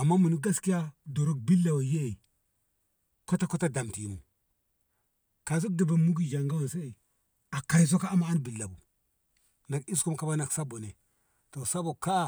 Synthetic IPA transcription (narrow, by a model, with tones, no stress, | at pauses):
a˨mːa˦mu˨ni˦ɡa˦ski˦ja˦do˨ɾo˦k̚bi˦lːa˨wa˨je˦˨ | ko˦ta˦ko˦ta˦da˨mti˨mṵ˨ | ka˨s̬u˦k̚da˨ba˨mu˦ɡi˦d͡ʒa˨ŋɡa˦wa˨sa˦i˨ | a˨ka˨ɾi˨s̬o˦ka˦a˦ma˦a˦nbi˨lːa˨bu˨ | na˨ki˦sku˦mka˦ba˦na˨ksa˦bo˨ne˨ | to˨sa˦bo˨ka˦˨